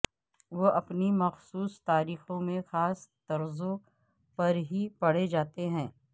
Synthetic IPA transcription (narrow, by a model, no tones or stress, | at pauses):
ʋoʔɐpnimɐxsuːst̪aːɾiːxõmẽxaːst̪ɐɾzõ | pɐɾɦipɐɽ̤ed͡ʒaːt̪eɦɛ̃ː